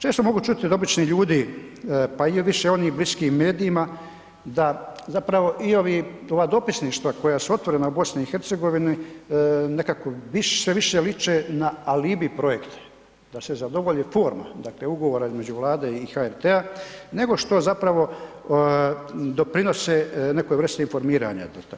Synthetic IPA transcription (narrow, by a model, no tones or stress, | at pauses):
t͡ʃeːst̪o̞mo̞ɡut͡ʃut̪id̪o̞bit͡ʃniʎuːd̪i | paiʋiʃeo̞nixbliskiːmme̞ːd̪iːma | d̪azapɾaʋo̞ʔio̞ʋiːo̞ʋaːd̪o̞pisniʃt̪ʋako̞jasuo̞t̪ʋoɾenaubo̞sniixe̞ɾt̪seɡo̞ʋini | nekakoʋiʃseʋiʃelit͡ʃenaaliːbipɾo̞je̞kt̪ʰḁ | d̪̥ase̞zad̪o̞ʋoʎiːfo̞ːɾma̰d̪akle̞uɡo̞ʋoːɾaizme̞d͡ʑuʋlˠaːd̪eixaeɾt̪eane̞ɡo̞ʃt̪o̞zapɾaʋo̞ | d̪o̞pɾino̞sene̞kojɾr̩st̪einfo̞ɾmiːɾa̰ɲa̰d̪at̪